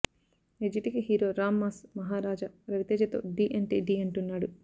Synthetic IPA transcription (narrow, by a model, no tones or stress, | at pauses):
ed͡ʒiʈikiɦiːɾoːɾaːmːaːsmɐɦaːɾaːd͡ʒɐɾɐʋit̪eːd͡ʒɐt̪o̰ːɖiːʔɐɳʈiːɖiːɐɳʈunːaːɽu